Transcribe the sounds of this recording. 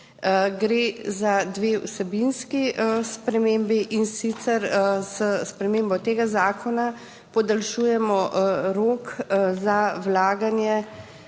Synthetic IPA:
ɡɾeːzad̪ʋeːṵsɛbinskiəspɾɛmeːmbiʔinsit̪sɛɾsəspɾɛmeːmbɔt̪eːɡazaːkʰɔna | pɔd̪alʃuːjɛmɔɾoːkzawlaːɡanjɛ

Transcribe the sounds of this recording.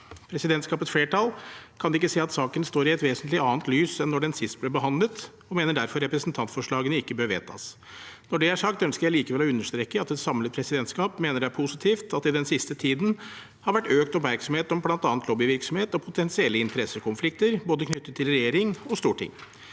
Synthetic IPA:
pʰɾɛsɪd̪ɛnt̪skɑːpət̪sfleːʈɑlkʰɑnd̪ɛɪkːəseːɑt̪sɑːkənst̪oːɾɪɛt̪ʋeːsənt̪lɪɑːnt̪lyːsɛnːɔɖɛnsɪst̪̚blɛbəɦɑnd̪lət̪ | ɔmeːnəɖæɾfɔɾːɛpɾɛsn̩t̪ʰɑnt̪fɔʂɭɑːɡənəɪkːəbøːɾʋḛːt̪ʰɑ̰ːs | nɔɖɛæʂɑkt̪œnskəɾjæɪliːkəʋɛlɔʉnːəʂt̪ɾeːkːəɑt̪ɛt̪sɑmlət̪pʰɾɛsɪd̪ɛnt̪skɑːpmeːnəɖæpʰʊsɪt̪ʰiːft̪ɑt̪ɪd̪ɛnsɪst̪ət̪ʰiːd̪n̩ | hɑɾʋæʈːøːkt̪ɔpmæɾksɔmheːt̪ɔmblɑnt̪ɑːnt̪loːbɪʋɪɾksɔmheːt̪ɔpʰʊt̪ʰɛnsɪɛlːəɪnt̪əɾɛsːəkʊnflɪk̚t̪əɾboːd̪əkʰnʏt̪ːət̪ʰːɪlɾɛjeːɾɪŋɔst̪uːʈʰɪ̰ŋː

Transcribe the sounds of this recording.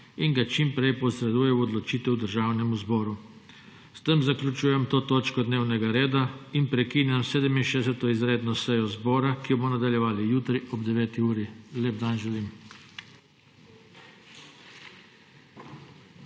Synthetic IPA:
iŋɡat͡ʃimpɾɛjpɔsɾɛd̪uːjɛwɔd̪lɔt͡ʃiːt̪ɛwd̪əɾʒaːwnɛmuzbɔːɾu | st̪əmzakljut͡ʃuːjɛmt̪oːt̪oːt͡ʃkɔd̪neːwnɛɡaɾeːd̪ainpɾɛkiːnjamseːd̪ɛminʃɛːsɛt̪ɔizɾeːd̪nɔsɛjɔzbɔːɾakiɔmɔnad̪aljɛʋaːlijuːt̪ɾiʔɔbd̪ɛʋɛːt̪iuːɾileb̚d̪anʒɛlim

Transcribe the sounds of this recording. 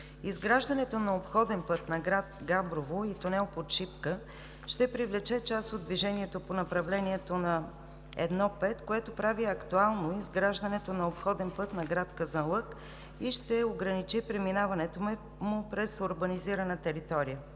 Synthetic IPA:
izɡɾaʒd̪ɐnɛt̪onɐopxɔd̪ɛnpɤt̪nɐɡɾat̪ɡabɾovoit̪onɛlˠpot̪ʃipkə | ʃt̪ɛpɾivlɛt͡ʃɛt͡ʃasod̪d̪viʒɛniɛt̪oponɐpɾɐvlɛniɛt̪onɐ | ɛ̰d̪nɔpɛt̪koɛt̪opɾaviɐkt̪ualˠnoizɡɾaʒd̪ənɛt̪onɐopxɔd̪ɛnpɤt̪nɐɡɾat̪kəzɐlˠɤk | iʃt̪ɛoɡɾɐnit͡ʃipɾɛminavɐnɛt̪omɛ | mʊpɾɛsoɾbəniziɾənət̪ɛɾit̪ɔɾijə

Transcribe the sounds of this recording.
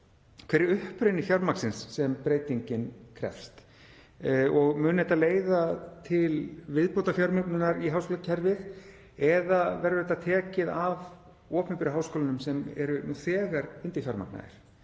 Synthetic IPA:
kʰveːɾɪʏhpɾɪjnːɪçjawɾmaksɪnsːɛmpɾeːjt̪iɲcɪnkʰɾɛ̰fst̪ | ɔɣmʏːnɪɛt̪aleːjðat̪ʰɪlvɪðpowt̪afjawɾmœknʏnaɾiɦawskoːlacʰɛɾvɪð | ɛðavɛɾʏɾɛt̪ːat̪ʰɛːcɪðav | ɔːpʏnpɪɾɪɦaːwskoːlɪnʏmsɛmɛ̰ɾʏnuθɛːɣaɾʏnt̪ɪçjawɾma̰kna̰ɪ̰ɾ̥

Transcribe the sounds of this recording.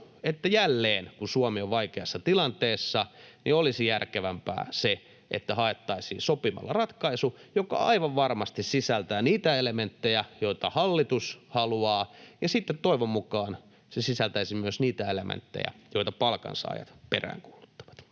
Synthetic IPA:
et̪ːæjælːeːnkusuomioʋʋɑikeɑsːɑt̪ilɑnt̪eːsːɑniolisijærkeʋæmpæ̰ːse | ʔḛt̪ːæhɑet̪ːɑisḭːnsopimɑ̰lːɑrɑt̪kɑisujokɑ̰ɑ̰iʋɑʋʋɑrmɑst̪issisælt̪æːniːt̪æelement̪ːejæjoit̪ɑhɑlːit̪ushɑluɑːjɑsit̪ːet̪t̪ːoiʋommukɑːn | sesisælt̪æisimyøsniːt̪æelḛmḛnt̪ːḛjæ̰joit̪ɑpɑlkɑ̰nsɑ̰ːjɑ̰t̪pḛræ̰ːŋkuːlut̪ːɑ̥ʋɑ̥t̪

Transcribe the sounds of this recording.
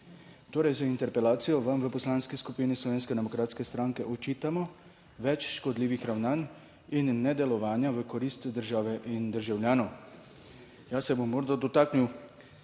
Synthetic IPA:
t̪oːɾɛjzaint̪ɛɾpɛlaːt̪sijɔʋamʋəpɔslaːnskiskupiːnislɔʋeːnskɛd̪ɛmɔkɾaːt̪skɛst̪ɾaŋkɛʔɔt͡ʃiːt̪amɔ | ʋɛt͡ʃʃkɔd̪liːʋixɾawnaːn | inːɛd̪ɛlɔʋaːnjaʋəkɔɾiːst̪d̪əɾʒaːʋɛʔind̪əɾʒawljaːnɔw | jaːsɛbomːoːɾd̪ad̪ɔt̪aːkniw

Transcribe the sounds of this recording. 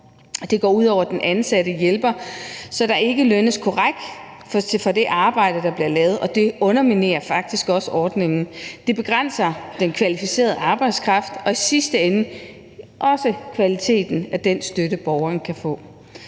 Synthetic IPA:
d̥e̝ɡ̥ɒ̰ːuð̞̰ˠɒʊɐd̥enʔænsæɾ̥əjelb̥ɐsɒ̽d̥ɑ̈ʔe̝ɡ̥əlønəskʰɒʁaɡ̥̚d̥ | fɒ̽d̥e̝ʔɑ̈ːb̥ɑ̈ɪ̰d̥əd̥ɑ̈b̥liɐlɛːʊð̞̩ˠɒ̽d̥e̝ɔ̽nɐmine̝̰ːɐfɑ̈ɡ̥̚d̥isɡ̥ɒ̽səʔɒːd̥ne̝ŋn̩d̥e̝b̥e̝ɡ̥ʁan̰sɐd̥enkʰʋælifise̝̰ːɐð̞ˠɑ̈ːb̥ɑ̈ɪd̥skʰʁɑ̈fd̥ɒ̽isisd̥əenə | ʔɒ̽səkʰʋælit͡sʰe̝̰ːd̥n̩æd̥ensd̥øɾəb̥ɒʊɐːn̩kʰæfɔ̰̽ː

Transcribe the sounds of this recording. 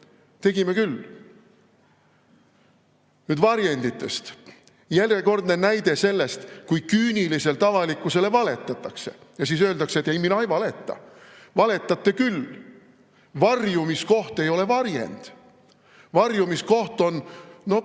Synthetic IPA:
t̪e̞ɡime̞kyl | nyːd̪vɑɾjenʲd̪it̪ːˑe̞st̪ | jærjeko̞rd̪ne̞næjd̪e̞se̞lːe̞st̪kujkyːnʲilise̞lt̪ɑvɑlikːˑuse̞le̞vɑle̞t̪ːˑɑt̪ːˑɑkse̞jɑsiːs̬øːld̪ɑkseet̪ːˑejminɑjvɑle̞t̪ːˑɑ̰ | vɑle̞t̪ːˑɑt̪ːˑe̞kyl | vɑrjumisko̞ht̪e̞jo̞le̞vɑɾjḛnd̪̥ | vɑrjumisko̞ht̪o̞nno̞

